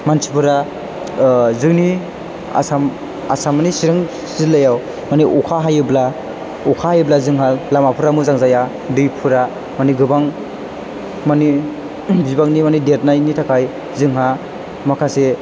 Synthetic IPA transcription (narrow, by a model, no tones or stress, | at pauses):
mansi̥pʰɯɾa | zɯŋni | a̰sam | a̰samanisiɾɯŋ | zilajaw | maniʔukʰaɦajɯbla | ɔkʰahajɯblazɯŋɦalamapʰɯɾamuzaŋzaja | dɯjpʰɯɾa | maniɡɯbaŋ | mani | bibaŋnimanidet̚najnitʰakʰaj | zɯŋɦa | makʰase